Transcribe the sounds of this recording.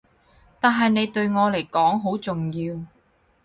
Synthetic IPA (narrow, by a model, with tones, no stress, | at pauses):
t̪aː˨nɦɐ˨jne˨˧jt̪ɵ˧ɥŋɔː˨˧le˨˩jkɔː˨˥ŋɦo˨˥wt͡sʊ˨ŋjiː˧w